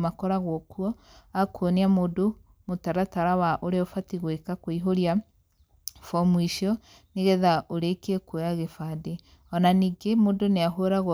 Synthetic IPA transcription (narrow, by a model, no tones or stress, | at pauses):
makɔɾaɣɔkwɔakwoniamodo | motaɾataɾawaʔoɾeɔfatiɣwekakoiɦoɾja | fɔmwiʃjɔ | neɣeðaʔoɾekekwojaɣefade | ɔnaniɡemodoneaɦoɾaɣ